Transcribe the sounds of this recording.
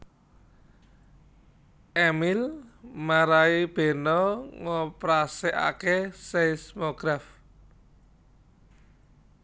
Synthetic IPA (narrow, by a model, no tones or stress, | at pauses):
ʔɛmilmaɾaib̥e̤nɔŋɔpɾaseʔa̰kesesmoɡ̥ɾaf